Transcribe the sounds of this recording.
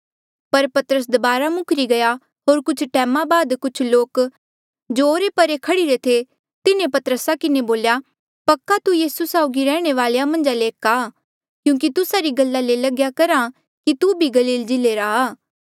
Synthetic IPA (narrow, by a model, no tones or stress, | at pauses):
pɐɾpɐt̪əɾəs̬d̪ɐbaːɾamʊkʰɾiɡɐja | ɦoːɾkʊt͡ʃʰʈɛːmãbaːd̪kʊt͡ʃʰloːk | d͡ʒooːɾepɐɾekʰɐɽiɾet̪ʰe | t̪ɪnẽpɐt̪əɾəsakɪneboːlja | pɐkːat̪ujiːsusaːʊɡiɾɛːɽ̃eʋaːlejamɐ̃nd͡ʒaleːka | kjũːk̬it̪ʊsaɾiɡɐlːalelɐɡjakɐɾa | kit̪ubʱiɡɐliːld͡ʒɪleɾaːaː